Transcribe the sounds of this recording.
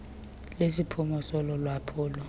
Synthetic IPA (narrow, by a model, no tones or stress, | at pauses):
lesipʰumɔsɔlɔlwapʰɔːlɔ